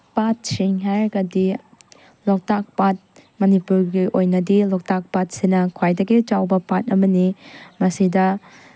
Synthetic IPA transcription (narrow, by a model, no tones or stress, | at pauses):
pat̚siŋɦajɾɡɐdi | lɔk̚tak̚pat̚mɐnipuɾɡiʔojnɐdilɔk̚tak̚pat̚sinɐkʰwajdɐɡit͡ʃawbɐpat̚ɐmɐnimɐsidɐ